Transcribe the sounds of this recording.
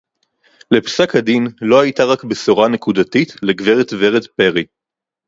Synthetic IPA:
le̞psakadinlo̞ajitaʁakbesoʁane̞kudatitleɡveʁetveʁet̪pe̞ʁi

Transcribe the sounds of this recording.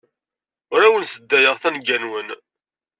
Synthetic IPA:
ɾæwənsəd̪ːæjəʁθænɡænwən

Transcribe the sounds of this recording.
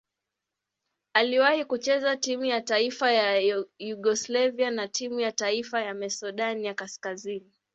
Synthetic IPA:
aliwahikut͡ʃɛzatimujataifajajuɠɔslavianatʰimujataifajamɛsuɗanjakaskazini

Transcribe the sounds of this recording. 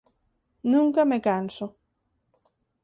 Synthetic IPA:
nũŋkamekanso

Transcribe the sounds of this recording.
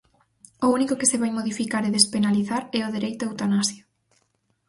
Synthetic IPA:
ounikʊkɪsɪβajmoðifikaɾeðespenaliθaɾɛoðeɾejt̪ʊewt̪anasjo

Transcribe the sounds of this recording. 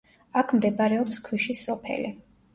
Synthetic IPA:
akʰmd̪ɛbaɾɛɔpskʰwiʃisɔpʰɛ̰li

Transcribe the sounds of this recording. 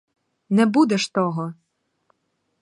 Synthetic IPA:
nɛbud̪ɛʃt̪ɔɦɔ

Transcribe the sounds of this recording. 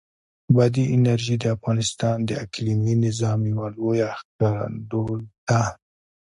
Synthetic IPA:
bad̪iʔɪnaɾʒid̪əafɣɑnɪst̪ɑnd̪əakliminɪzɑmjawalojaxkɑɾa̰nd̪od̪a

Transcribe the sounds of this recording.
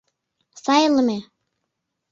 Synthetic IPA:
sɑjlɤ̆me

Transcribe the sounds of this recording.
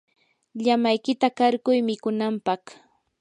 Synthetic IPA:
ʎamajkɪt̪akaɾkʊjmɪkʊnampɑχ

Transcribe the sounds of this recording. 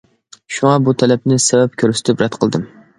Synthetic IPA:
ʃuŋɑbut̪ʰɛlɛp̚nɪsɛvɛp̚kʲʰøɾsɪ̥t̪ʰɪpɾɛt̪qʰəlˠd̪ɨm

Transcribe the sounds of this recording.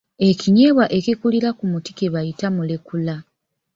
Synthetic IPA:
e̞kiɲe̞ːβwaʔe̞kikuliɾakumuti̥keβajitamulekula

